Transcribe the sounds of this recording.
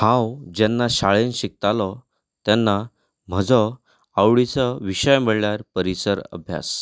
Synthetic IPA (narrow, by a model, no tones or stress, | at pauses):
hãwd͡ʑɛnːaɕaɭenɕik̚t̪alɔ | t̪janːa | m̤əd͡zɔ | awɭit͡səʋiɕəjməɭljaɾpəɾisəɾə̰bʱja̰s